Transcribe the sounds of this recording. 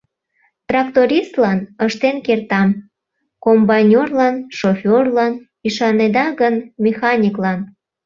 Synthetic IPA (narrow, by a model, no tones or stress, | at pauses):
t̪rɑkt̪oɾʲist̪lɑnəʃt̪enkert̪ɑm | kombɑnʲorlɑnʃofʲorlɑn | yʃɑned̪ɑɣənmʲexɑnʲiklɑn